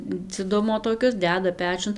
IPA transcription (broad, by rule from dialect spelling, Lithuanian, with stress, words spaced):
d͡zʲɪˈdʊmoː toːˈkʲʊs ˈdʲæːdɐ ˈpʲæːt͡ʃʲʊn